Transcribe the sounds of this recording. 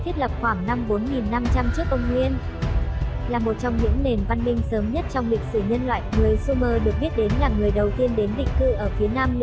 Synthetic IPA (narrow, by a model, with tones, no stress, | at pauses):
t̪ʰwi˦˥ət̚lə˨˩p̚xwaː˧˩ŋna˧mɓo˨˦nŋi˨˩nːa˧mt͡ɕa˧mt͡ɕɨ˦˥ək̚ʔə˧wŋ͡mŋwi˧ən | laː˨˩mo˨˩t̚t͡ɕɔ˧wŋ͡mɲɨ̰˧˥ŋne˨˩nva˧nmï˧ŋ̟səː˨˦mɲə˦˥t̚t͡ɕɔ˧wŋ͡mlï˨˩k̟̚sɨ˧˩ɲə˧nlwa̰ː˧˨jŋɨ˨˩əjsu˧məː˧ɗɨ˨˩ək̚ɓi˦˥ət̚ɗe˨˦nlaː˨˩ŋɨ˨˩əjɗə˨˩wt̪i˧ənɗe˨˦nɓḭ̈˨˩ŋ̟kɨ˧ʔəː˧˩fi˨˦naː˧m